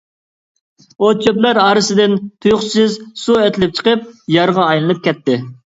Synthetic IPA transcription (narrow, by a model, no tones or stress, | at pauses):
ot͡ʃʰøplæɾɑːɾɨsɪd̪ɪnt̪ʰujʊχsɪzsuɛt̪ʰɪlɪp̚t͡ʃʰə̥qəp̚jɑɾʁɑːjlˠɨnɨp̚kʲʰɛt̪ʰːɪ